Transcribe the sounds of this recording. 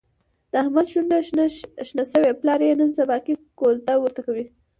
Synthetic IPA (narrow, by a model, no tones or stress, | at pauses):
d̪̥əahmad̪ʃund̪əʃnasəweplɑɾeenənsabɑkikolt̪awəɾt̪akawi